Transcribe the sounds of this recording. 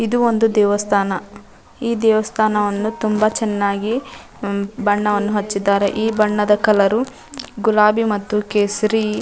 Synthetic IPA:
id̪uo̞nd̪ud̪ɛːʋɐst̪ʰaːnɐ | iːd̪ɛːʋɐst̪ʰaːnɐʋɐnːut̪umbɐt͡ʃɛnːaːɡi | bɐɳːɐʋɐnːuɦɐt͡ʃːid̪ːaːɾḛʔiːbɐɳːɐd̪ɐkɐlɐɾu | ɡulaːbimɐt̪ːukeːsɾi

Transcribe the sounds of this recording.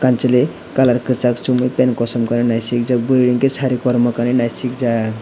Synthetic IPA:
kant͡səle | kalaɾkət͡sakt͡ʃumujpɛnkɔsɔmkaninajsik̚d͡zak̚bəɾiɽiŋkesaɾikɔɾməkaninajsik̚d͡zak

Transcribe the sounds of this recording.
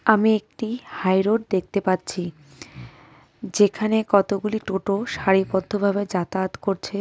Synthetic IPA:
amiek̚ʈihajɾoɖ̚d̪ek̚ʰt̪epatːt͡ɕʰi | d͡ʑekʰanekɔt̪oɡuliʈoʈoʃaɾipod̪ʱːobʱabed͡ʑat̪at̪koɾt͡ɕʰe

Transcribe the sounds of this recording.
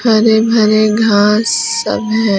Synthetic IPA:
bʱɐɾebʱɐɾeɡʱaːsː | ɐ̰bɦɛ̃

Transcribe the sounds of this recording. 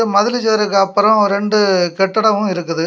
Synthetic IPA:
mɐðɪlɪt͡ʃːɐɾɯkːɯɐpːɯɾɐ̃mɔɾɛɳɖɯkɛʈːɐɽɐʋɯ̃ɪɾɯkːɯðɯ

